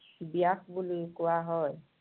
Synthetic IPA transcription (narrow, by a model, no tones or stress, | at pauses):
bijaxbulokʊwaɦɔj